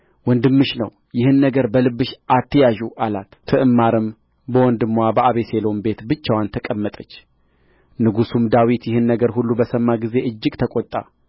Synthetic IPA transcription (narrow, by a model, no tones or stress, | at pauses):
wɔnd̪ɨmːɨʃnə̰w | jɪhɨnːəɡəɾbəlɨbːɨʃʔat̪ʰːəjaʒuʔalat̪t̪ʰɨʔɨmːaɾɨm | bəwɔnd̪ɨmːwabəʔaβe̞se̞lo̞mbe̞t̪bɨt͡ʃːawant̪ʰəkʼəmːət̪ʼət͡ʃː | nɨɡusumd̪awit̪jɪhɨnːəɡəɾhulːubəsəmːaɡize̞ʔɨd͡ʒːɨɡt̪ʰəkʼot̪ʼːa̰